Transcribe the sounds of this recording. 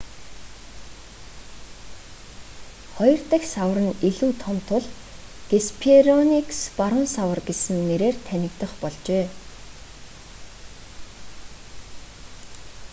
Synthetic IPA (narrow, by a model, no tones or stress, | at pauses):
χɔjɞ̆r̥t̪ə̆ksawə̆rə̆niɮuːt̪ʰɔmt̪ʰʊɮ | ɡ̥espʰeɾɔnikspaɾʊnsawə̆rɡesɘ̆nːeɾeːrt̪ʰænʲɪ̆kt̪ə̆χpɔɮt͡ɕeː